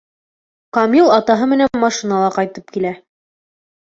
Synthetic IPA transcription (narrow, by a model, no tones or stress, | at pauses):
qɑmilˠɑt̪ɑɦɤmɘ̆nænmɑʃinɑlˠɑqɑjt̪ɤp̚kilæ